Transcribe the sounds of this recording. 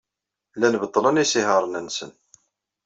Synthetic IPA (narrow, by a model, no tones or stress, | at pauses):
lænbət̪ˤːələnisihəɾˤənænsən